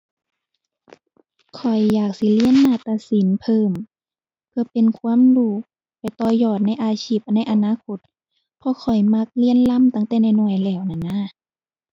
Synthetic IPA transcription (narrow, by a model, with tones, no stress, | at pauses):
kʰɔ˨˩jːaː˨˩k̚si˧˦li˧˥ənːaː˧˩t̪a˧si˨˦npʰɤː˧˩m | pʰɯ˧ɐpe˨nkʰu˧˥ə˨mduː˧˩k̚ | pa˨˩jt̪ɔː˧˩jɔː˧˩t̪̚na˧˥˩jʔaː˧sʰiː˧˩p̚na˧˥˨jʔa˧naː˧˥˨kʰo˧˦t̪̚ | pʰɔ˧kʰɔ˨˩jma˧˥k̚li˧˥˨ənla˧˥˨mt̪a˧˩˨ŋt̪ɛː˧˩na˧˩jnu˧˩əjlɛː˧˩wna˧˩˨na˧˥˨